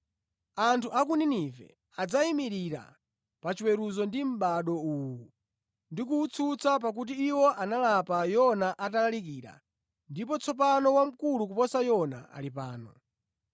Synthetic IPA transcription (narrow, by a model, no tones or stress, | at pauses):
antʰuʔak̬uninivɛ̰ | ad͡zaimiɾiɾa̰ | pat͡ʃiwɛɾuzɔndim̩ɓaɗɔuːwu | ndik̬uut͡sʰut͡sap̬ak̬ut̬iːwɔʔanalapajɔnaʔatalalikiːɾa̰ | ndip̬ɔt͡sʰɔp̬anɔwam̩kuluk̬upɔsajɔna̰ʔa̰lipaːnɔ̰